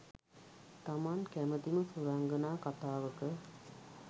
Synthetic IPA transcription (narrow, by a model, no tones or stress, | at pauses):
t̪amankæməd̪iməsuɾaŋɡənaːkat̪aːʋəkə